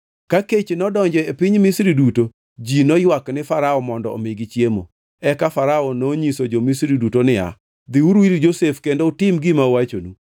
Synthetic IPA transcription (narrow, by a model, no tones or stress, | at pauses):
kaket͡ʃnɔdɔɲd͡ʒɛepɪɲmɪsɾiduto | d͡ʒinɔjwaknɪfaɾaɔmɔndɔo̰meɡit͡ʃjemo̰ | ɛkafaɾaɔnoɲisod͡ʒomisɾidutonɪa̰ | d̪ɪuɾwiɾd͡ʒosefkendoʊtɪmɡɪmawat͡ʃonu